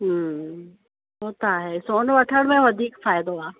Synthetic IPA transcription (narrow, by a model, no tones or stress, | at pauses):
ɦ | ɦoːt̪aɦesoːnʋɐʈʰəɽ̃mẽʋɐd̪ʱiːkfaːɪd̪oaː